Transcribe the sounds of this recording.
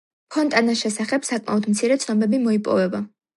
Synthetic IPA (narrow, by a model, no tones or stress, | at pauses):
pʰɔnt̪ʼanaʃɛsaχɛbsakʼma̰ɔd̪mt̪sʰiɾɛt̪sʰnɔbɛbimɔipʼɔ̰vɛba